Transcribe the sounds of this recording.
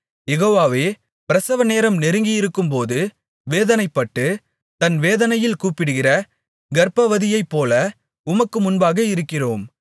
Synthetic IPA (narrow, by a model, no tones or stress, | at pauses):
jɛɣoːʋaːʋeː | pɪɾɐsɐʋɐneːɾɐmnɛɾɯŋɡɪjɪɾɯkːɯmpoːðɯ | ʋeːðɐnɐɪpːɐʈːɯ | t̪ɐnʋeːðɐnɐjɪlkuːpɪɽɯɣɪrɐ | ɡɐɾpɐʋɐðɪjɐɪpːoːlɐ | ʊmɐkːɯmʊnbaːɣɐɪɾɯkːɪroːm